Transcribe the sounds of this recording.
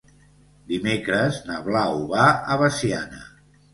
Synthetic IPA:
d̪imekɾəznəβlauβaəβəsianə̰

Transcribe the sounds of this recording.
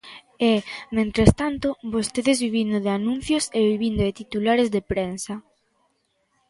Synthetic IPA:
emẽnt̪ɾest̪ant̪obost̪eðezβiβind̪oðɪanũn̟θjoseβiβind̪oðet̪it̪ulaɾezðepɾensɐ

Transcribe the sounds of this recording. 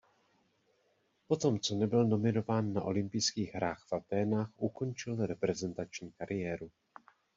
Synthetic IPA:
po̞t̪o̞mt͡so̞nɛbɪlno̞mɪno̞vaːnːa̰ʔo̞lɪmpɪjskiːɣɦɾaːxfat̪ɛːnaːxʔuko̞nt͡ʃɪlɾɛpɾɛzɛnt̪at͡ʃɲiːkaɾʔɪjɛːɾu

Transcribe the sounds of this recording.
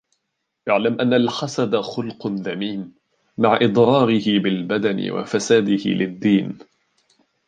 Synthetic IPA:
ʔaʕlamʔanːalħasad̪axʊlqðamiːn | maʕʔɪd̪ˤɾɑːɾɪhɪbɪlbad̪anɪ̰wa̰fasaːd̪ɪhɪ̰lɪd̪ːiːn

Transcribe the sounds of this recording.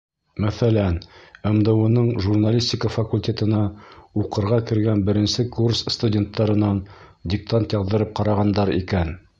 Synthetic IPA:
mæθælænæ̆md̪ɤ̆wɤ̆nɤɴʒurnalʲisʲtʲɪkəfakulʲtʲe̞t̪ɤ̆nɑuqɤ̆ɾʁɑkɘ̆ɾɡænbɘ̆ɾɘ̆nsɘkursst̪udʲe̞nt̪ːɑɾɤ̆nɑn | dʲɪk̚t̪ant̪jɑððɤ̆ɾɤp̚qɑɾɑʁɑnd̪ɑɾḭkæn

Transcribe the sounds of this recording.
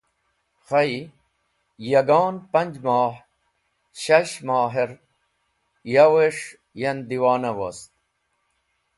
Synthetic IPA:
xɐi | jɐɡɑːnpɐɲʲd͡ʑmaːħ | ɕɐɕmaːɦeɾ | jaweʂ | jɐnd̪iwaːnɐwɐ̰st̪̚

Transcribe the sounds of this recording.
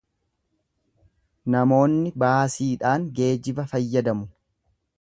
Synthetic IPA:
nɐmo̞ːnːɪbaːsiːᶑaːŋɡe̞ːd͡ʒɪbɐfɐjːɐd̪ɐmʊ

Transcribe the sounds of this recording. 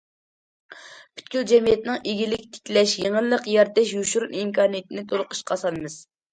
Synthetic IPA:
pʰy̥t̪kʲyld͡ʒɛmijɛt̪nɨŋʔeɡʲilɪkʲt̪ʰɪ̥kʲlɛʃjeŋəlˠːəqjɑɾt̪ɛʃjuʃuɾunimkʰɑːnijet̪ʰɪnɪt̪ʰolˠʊqʰə̥ʃqʰɑsɑnɨmɨz̥

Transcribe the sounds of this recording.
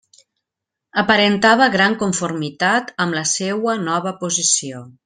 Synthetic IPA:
əpəɾent̪aβ̞əɣɾaŋkuɱfurmit̪at̪əmləsewənɔβ̞əpuzisio

